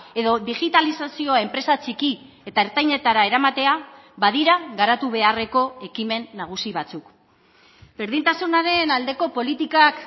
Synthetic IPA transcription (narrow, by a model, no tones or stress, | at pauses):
e̞ðo̞ðiɣit̪alisasio̞e̞mpɾe̞sat͡ʃiki | e̞t̪aeɾt̪ajɲe̞t̪aɾae̞ɾamat̪e̞a | βbaðiɾaɣaɾat̪uβe̞are̞ko̞e̞kime̞nːaɣ̞usiβat͡suk | be̞ɾðint̪asunaɾe̞nald̪e̞ko̞po̞lit̪ikak